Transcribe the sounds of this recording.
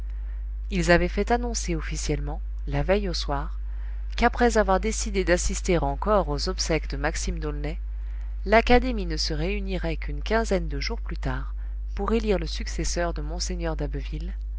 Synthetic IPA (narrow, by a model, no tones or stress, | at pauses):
ilzavɛfɛt̪anɔ̃seɔfisjɛlmɑ̃ | lavɛjoswaʁ | kapχɛzavwaʁd̪esid̪ed̪asist̪eʁɑ̃kɔʁozɔpsɛkd̪əmaksimd̪olnɛ | lakad̪eminəsəʁeyniʁɛkynkʲɛ̃zɛnd̪əʒuʁplyt̪aʁ | puʁeliʁləsyksɛsœʁd̪əmɔ̃seɲœʁd̪abvil